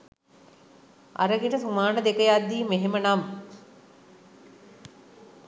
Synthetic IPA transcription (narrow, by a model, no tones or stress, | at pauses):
a̰ɾəɡeʈəsumaːnəd̪ekəjad̪ːiːmeɦemənam